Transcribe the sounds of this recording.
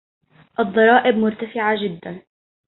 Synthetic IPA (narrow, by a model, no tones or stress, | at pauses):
ʔɑd̪ˤːɑɾˤɑːʔɪbmʊɾt̪afɪʕad͡ʒɪd̪ːan